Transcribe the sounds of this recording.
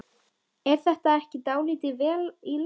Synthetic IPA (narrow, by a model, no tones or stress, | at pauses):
ɛɾ̥θɛht̪aɛhcɪt̪aːwliːt̪ɪvɛːlil